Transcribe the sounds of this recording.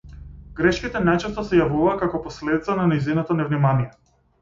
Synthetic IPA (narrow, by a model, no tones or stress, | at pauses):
ɡ̥ɾɛʃkʲit̪ɛnajt͡ʃɛst̪ɔsɛjavuvaːkakɔpɔslɛd̪it̪sananɛjzinɔt̪ɔnɛvnimanijɛ